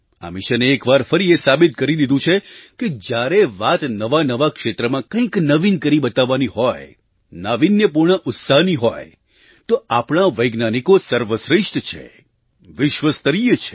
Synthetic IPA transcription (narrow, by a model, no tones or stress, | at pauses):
a̰mɪʃəneːkʋaɾfəɾiesabit̪̚kəɾid̪id̪ũt͡ʃʰeked͡ʒjaɾeʋat̪nəʋanəʋakʃet̪ɾəmãkə̃ĩknəʋinkəɾibət̪aʋːaniɦɔj | naʋinjəpuɾɳəʔʊt̪saɦniɦoj | t̪oapɳ̃aʋəjɡnanikosəɾʋəsɾɪʃʈt͡ʃʰḛ | ʋɪʃʋəst̪əɾijət͡ʃʰe̥